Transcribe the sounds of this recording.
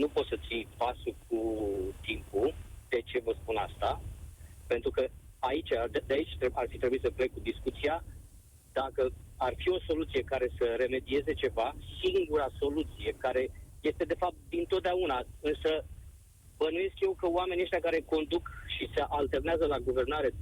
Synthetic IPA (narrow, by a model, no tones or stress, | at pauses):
nupo̞t̪sət̪sijpasuk̚ʰut̪impud̪̥e̞t͡ʃe̞vəspunast̪a | pe̞nt̪ɾukə | ait͡ʃad̪d̪eait͡ʃʲt̪earfit̪ɾebuitsəplekkud̪iskut̪sija | d̪̥akəarfio̞so̞lut̪sije̞kaɾe̞səɾe̞me̞d̪ie̞ze̞t͡ʃe̞vasiŋɡuɾaso̞lut̪sije̞kaɾe̞je̞st̪e̞d̪e̞fap̚t̪̚d̪int̪ot̪̚d̪eaunaɨnsə | bənuje̞skje̞wkəowame̞nieʃt̪ʲakaɾe̞ko̞nd̪ukʃiseʔalt̪e̞rneazəlaɡuve̞rnaɾe̞